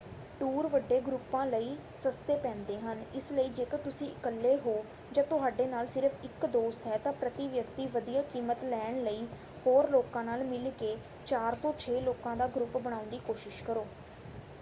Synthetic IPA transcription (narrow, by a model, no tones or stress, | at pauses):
ʈuːɾʋəɖːeːɡɾʊpãːləiː | səst̪eːpɛ̃ːnd̪eːɦənɪsləiːd͡ʒeːkət̪ʊsĩːʔɪkəlːeːɦoː | d͡ʒãːt̪ʊɦaːɖeːnaːlsɪɾəfʰɪkd̪oːst̪ɦɛːt̪ãːpɾət̪iːʋjəkt̪iːʋəd̪ijaːkiːmət̪lɛːɳləiː | hoːɾloːkãːnaːlmɪlkeː | t͡ʃaːɾt̪õːt͡ʃʰeːloːkãːd̪aːɡɾʊpbəɽ̃aːʊnd̪iːkoːʃɪʃkəɾoː